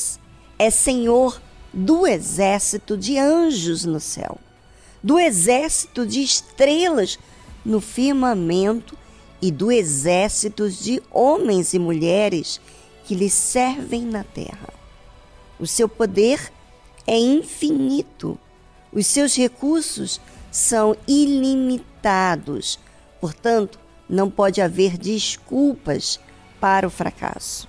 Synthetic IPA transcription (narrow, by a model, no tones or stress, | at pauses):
s | ɛsẽɲoɾd̪ʊezɛɾsit̪ʊd͡ʒɪɐ̃ʒʊznʊsɛ̰w | d̪ʊezɛɾsi̥t̪ʊd͡ʒɪːʃt̪ɾelɐz | nʊfiɾmãmẽnt̪ʊ̥ | ɪd̪ʊezɛɾsit̪ʊzd͡ʒɪõmẽj̃zɪmuʎɛɾɪs | kɪlɪsɛɾvẽj̃nɐt̪ɛ̰hɐ̰ | ʊsewpod̪eɾ | ɛĩfinit̪ʊ̰ | ʊssewshekuɾsʊssɐ̃w̃ilimit̪ad̪ʊ̰s | poɾt̪ɐ̃nt̪ʊ̥ | nɐ̃w̃pɔd͡ʒɪaveɾd͡ʒiskuwpɐ̰s | paɾɐʊfɾa̰kʰa̰sʊ̥